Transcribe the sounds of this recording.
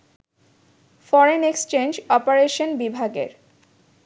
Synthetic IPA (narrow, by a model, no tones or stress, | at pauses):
fɔɾenekst͡ɕend͡ʑɔpoɾeʃonbibʱaɡḛɾ